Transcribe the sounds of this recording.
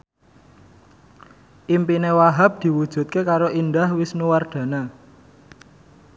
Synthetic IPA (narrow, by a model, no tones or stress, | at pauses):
ʔimpinewaɦap̚d̪̥i̤wud̥ʒ̥ṳt̪̚kekaɾoʔind̪ahwɪsnuward̪̥ä̤na